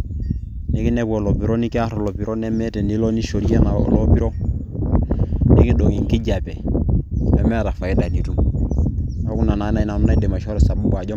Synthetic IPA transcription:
ni˦ki˦ne˦ko˨lo˨pi˨˦ɾo˦ni˦ki˦a˦ɾo˨lo˨pi˨ɾo˦nɛ˦me˦tɛ˨ni˦lo˦ni˦ʃo˨ɾi˦e˦na̰˨lo˦pi˦ɾo˦ | ni˦ki˦do˨ŋi˨ŋ˨ki˦ɟa˨be˨ | nḛ˨me˦˨ɾa˨fa˨i˦da˨ni˨tu˦m | o˦ku˦na˨na˨˦na˦i˦na˨mu˦na˦de˨ma˨ʃo˦ɾe˨sa˨bu˦ka˨ɟo˦

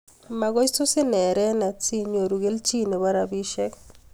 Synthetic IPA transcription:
ma˧ɡo˦jsu˦si˦nɛ˨ɾɛ˦na˨t͡si˦ɲo˨ɾu˨ɡe˦lt͡ʃi˦ne˨ba˦ɾa˨bi˦ʃɛ˦k

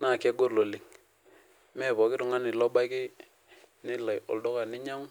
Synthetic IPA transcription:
na˦˨ke˦ɡo˦ɾlo˨li˨ŋ | mɛ˦˨pɔ˨kɪ˦ɾʊ˨ŋa˦nɪ˨lɔ˦ɓa˦jkɪ˦ | nɪ˦la˨jɔ̰˨ldɔ˦ka˨nɪ˦ɲa˦ŋ

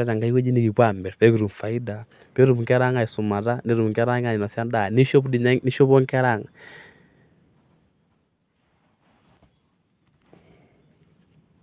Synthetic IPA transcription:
ɛ˦ta˨ŋɡa˦i˦we˦d͡ʒi˦ni˨ki˨kwa˨mbɛ˨ɾpɛ˦ku˨ɾu˨mfa˨ɪ˦da˨ | pɛː˦ɾu˨mŋkɛ˦ɾa˦ŋa˨i˨su˨ma˨ta˦ni˨˦ɾu˨mŋkɛ˦ɾa˦ŋa˨ɲɪ˨na˨sja˦nda˨ni˦ʃo˦pdi˨ɲa˦ni˦ʃo˦pɔ˦ŋkɛ˦ɾa˦˨ŋ

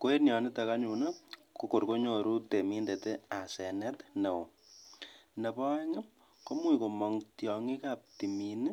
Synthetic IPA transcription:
ko˦e˦nja˨nɪ˦ta˨ka˦ɲu˨na˦ko˨ko˨ɾko˦ɲo˨ɾu˦te˨mi˦nde˨te˦a˨sɛ˨nɛ˦tne˨wo˨ | ne˨pa˦ŋɛ˦ | ko˦mwi˨ko˨mɔ˨ŋtjɔ˨ŋi˦ka˦p̚ti˨mini˦

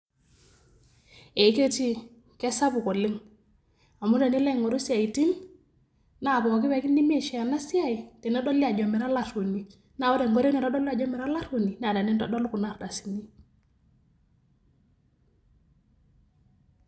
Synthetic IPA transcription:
e˨˦ke˦ti˦ | kɛ˦sa˦bu˨ko˨li˦ŋ | a˨mu˦de˨ni˦le˦ŋɔ˨ɾu˦si˦a˨i˨ti˦n | na˦˨bɔ˨ki˦we˨˦ki˦ndi˦mi˦e˨ʃɛ˨a˨na˦si˦a˦˨i˨te˨na˦dɔ˦li˦a˨ɟɔ˨mi˨ɾa˦la˦two˨ni˨ | na˦˨wo˦de˨ŋɡɔ˦ɾe˦ni˨ɾɔ˦dɔ˦li˦a˨ɟɔ˦mi˨ɾa˦la˦two˨ni˨n˦a˨da˨nɛ˦ntɔ˨dɔ˦lu˦ku˨na˦ɾda˨si˨ni˦

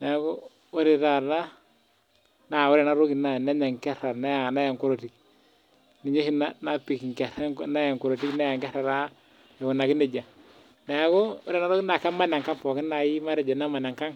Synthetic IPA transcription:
nɛ˨˦ɡo˦ | u˦ɾi˨ɾa˨la˦ | na˨ʊ˦ɾɛ˨na˨˦ɾo˦ki˨na˨nɛ˦ɲa˨ŋkɛ˦ɾa˨ɾna˦a˨na˦ja˨ŋku˦ɾo˨ti˨k̚ | ni˨ɲo˦hi˦na˦na˦pi˨kŋkɛ˨ɾɛ˦ŋna˦ja˨ŋku˨ɾo˨ti˦knɛ˦ja˨ŋkɛ˦ɾa˨ɾa˦ | ɛ˨u˨na˨kɪ˦ne˨d͡ʒa˨ | nɛ˨˦ɡɔ˦ʊ˦ɾɛ˨na˦ɾo˦ki˦na˨ka˦ma˦˨na˨ŋka˦ŋfɔ˨kɪ˦na˨ji˦ma˦ɾɛ˨d͡ʒa˨na˦ma˨na˨ŋka˦ŋ

